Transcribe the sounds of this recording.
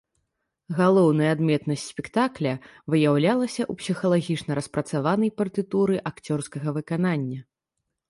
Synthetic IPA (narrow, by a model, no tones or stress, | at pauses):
ɣalˠɔwnɐjɛːd̪mʲɛt̪nɐsʲtʲsʲpʲɛkt̪aklʲɐvɨjawlʲalˠɐsʲɐʔupsʲixɐlˠaɣʲit͡ʂnɐɾɐspɾɐt̪savanɐjpɐrt̪ɨt̪uɾɨʔakt͡sʲɔrskɐɣɐvɨkananʲːɐ